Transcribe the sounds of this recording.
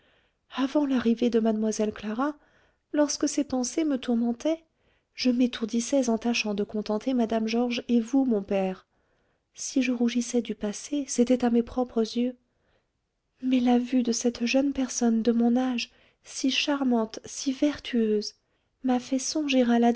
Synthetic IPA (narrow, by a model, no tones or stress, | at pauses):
avɑ̃laʁived̪əmad̪mwazɛlklaʁa | lɔʁskəsɛpɑ̃semət̪uʁmɑ̃t̪ɛ | ʒ̥əmet̪ʰuʁd̪isɛzɑ̃t̪aʃɑ̃d̪əkɔ̃t̪ɑ̃t̪ʰemad̪amʒɔʁʒevumɔ̃pɛʁ | siʒəʁuʒisɛd̪ypaseset̪ɛt̪amepχɔpχəzjø | mɛlavyd̪əsɛt̪ʒœnpɛʁsɔnd̪əmɔ̃naʒ | siʃaʁmɑ̃t̪sivɛʁt̪ʰyøz | mafɛsɔ̃ʒeʁala